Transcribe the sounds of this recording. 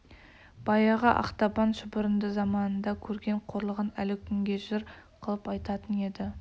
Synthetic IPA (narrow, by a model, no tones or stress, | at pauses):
b̥ɑjɑʁɑʔɑ̰qt̪ɑpɑnʃʊbʊɾənd̪əzɑmɑnənd̪ɑkʲʰɵɾɡʲe̞ɴqʰo̞ɾlˠəʁənælɪkʲʰʏŋɡʲe̞ʒɪɾqʰəlˠəpɑjt̪ɑt̪əne̞d̪ɪ